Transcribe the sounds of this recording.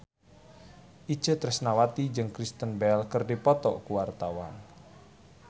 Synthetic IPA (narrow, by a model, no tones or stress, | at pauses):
ʔi̥ʒ̥ə̤t̪ɾɛsnawat̪id͡ʒɨŋkɾist̪ənbɛlkərdipɔt̪ɔʔkuwart̪awan